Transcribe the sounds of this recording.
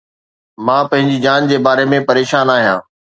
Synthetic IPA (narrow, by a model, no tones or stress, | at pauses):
mãːpɐ̃ɦɪ̃ɲd͡ʑid͡ʑaːnd͡ʑeːbaːɾemẽpɐɾeːʃaːnaːɦijãː